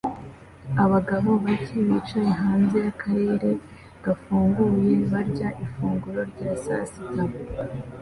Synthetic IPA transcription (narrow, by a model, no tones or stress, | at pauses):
aβaɡaβo̞βaciβit͡ʃajeɦaːnze̞jakʰaɾeːɾe̞ | ɡ̥afuːŋɡuje̞βaɾɟaʔifuːŋɡuɾo̞ɾɟaːsa̰sita